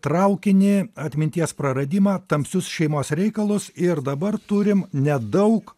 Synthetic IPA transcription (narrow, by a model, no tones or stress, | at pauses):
t̪ɾɐʊkʲɪnʲɪɐt̪ʲmʲɪnʲt̪ʲiɛspɾɐɾɐd̪ʲiːmɑːt̪ɐmʲpʲsʲʊsʃʲɛɪmoːsɾʲɛɪkɐlˠʊsɪɾd̪ɐbɐɾt̪ʊɾʲɪmnʲɛd̪ɐʊk